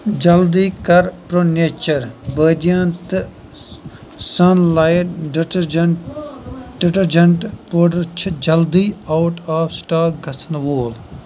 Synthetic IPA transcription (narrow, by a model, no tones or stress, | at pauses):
d͡ʒɐld̪iːkɐɾpɾoːneːt͡ʃɐɾbəːd̪jɐnt̪ | sɐnlɐj | ɖiʈɐɾd͡ʒɐɳʈpoːɖɐɾt͡ʃʰid͡ʒɐld̪iːawʈaːfsʈaːɡʱɐsʰɐnʋoːl